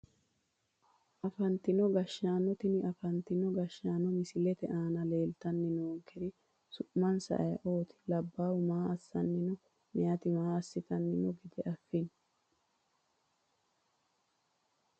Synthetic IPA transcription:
ʔɐfɐnt̪ɪnɔɡɐʃːaːnɔt̪ɪnɪɐfɐnt̪ɪnɔɡɐʃːaːnɔmɪsɪlɛt̪ɛʔaːnɐle̞ːlt̪ɐnːɪnoːŋkɛɾɪ | sʊʔmɐnsɐ̰ʔɐjɐʔo̞ːt̪ɪ̥lɐbːaːwʊmaːɐsːɐnːɪnɔ | mɛjɐt̪ɪmaːɐsːɪt̪ɐnːɪnɔɡɪd̪ɛʔɐfːɪn

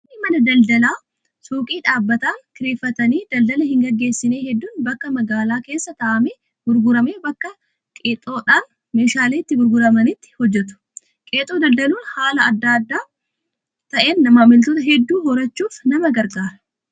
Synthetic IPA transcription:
nːɪmɐnɐd̪ɐld̪ɐlaː | suːkʼiːᶑaːbːɐt̪aːŋkɪɾeːfːɐt̪ɐniːd̪ɐld̪ɐlɐhɪŋɡɐɡːe̞ːsːɪne̞ːhɛd̪ːuːnbɐkːɐmɐɡaːlaːke̞ːsːɐt̪ɐʔɐme | ɡ̥ʊɾɡʊɾɐme̞ːbɐkːɐ | kʼet̪ʼo̞ːᶑaːn | me̞ːʃaːleːɪt̪ːɪɡʊɾɡʊɾɐmɐnɪt̪ːɪ̥hɔd͡ʒːɛt̪ʊ̥ | kʼe̞ːt̪ʼoːd̪ɐld̪ɐluːnhaːlɐɐd̪ːaːd̪ːaː | t̪ɐʔe̞ːnːɐmaːmɪlt̪oːt̪ɐɦɛd̪ːuːɦɔɾɐt͡ʃːuːfnɐmɐɡɐɾɡaːɾɐ̥

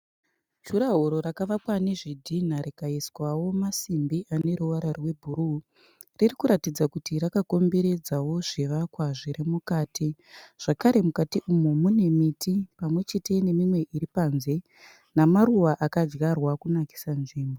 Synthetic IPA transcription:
t͡ʃuɾaɦoɾo̞ɾakaʋakwane̞ʐidʱin̤aɾikaiswawo̞masimbiʔane̞ɾuʋaɾarwe̞bʱuɾu | ririkuɾatid͡zakutiɾakako̞mbe̞ɾe̞d͡zawo̞ʐeʋakwaʐiɾemukaːtʰiʐ̥akaɾe̞mukatiʔumumune̞mitʰipamwe̞t͡ʃe̞te̞ne̞mimwe̞ʔiɾipanze̞ | namaɾuʋaʔakad͡ʒɣarwakunaki̥sanʐiːmbo

